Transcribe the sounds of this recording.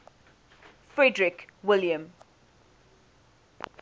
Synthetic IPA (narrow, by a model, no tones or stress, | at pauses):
fɹɛdɹɪkwɪljə̃m